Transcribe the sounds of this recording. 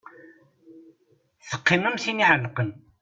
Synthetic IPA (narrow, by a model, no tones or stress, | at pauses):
θə̥qːiməmsiniʕənːəqən